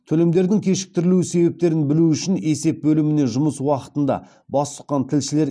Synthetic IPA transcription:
t̪ʰɵle̞md̪e̞ɾd̪ɪŋkʲʰe̞ʃɪ̥k̚t̪ɪɾɪluwɪse̞be̞p̚t̪e̞ɾɪnbɪluʏʃɪne̞se̞p̚bɵlɪmɪne̞ʒʊməswɑqə̥t̪ənd̪ɑ̰ | bɑst̪ʰə̥q̪qːɑnt̪ʰɪlʃɪle̞ɾ

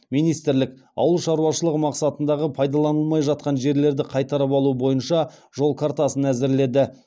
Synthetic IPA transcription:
mijnijst̪ɪɾlɪkɑ̰wəlˠʃɑɾuwɑʃəlˠəqmɑqsɑt̪ənd̪ɑʁəpʰɑjd̪ɑlˠɑnəlˠmɑjʒɑt̪̚qɑnʒe̞ɾle̞ɾd̪ɪqʰɑjt̪ɑɾəpɑlˠuəbo̞jənʃɑ | ʒ̥o̞lˠkʰaɾt̪ɑsənæzɪɾle̞d̪ɪ

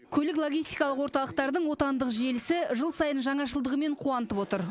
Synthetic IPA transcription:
kʲʰɵlɪklˠoɡʲijst̪ijkɑlˠəqwoɾt̪ɑlˠəq̚t̪ɑɾd̪əɴwo̞t̪ɑnd̪əqʒe̞lɪsɪʒəlˠsɑjənʒɑɴɑʃəlˠd̪əʁəme̞ɴqʰuɑnət̪əpwo̞t̪əɾ

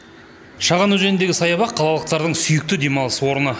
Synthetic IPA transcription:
ʃɑʁɑnɵʒe̞nɪnd̪e̞ɡʲɪsɑjɑbɑqʰːɑlˠɑlˠəq̚t̪ɑɾd̪əɴsʏjɪk̚t̪ɪd̪e̞mɑlˠəsəwo̞ɾənə

